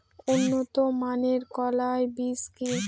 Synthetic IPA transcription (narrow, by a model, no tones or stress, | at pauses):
unːot̪omaneɾkɔlaebiski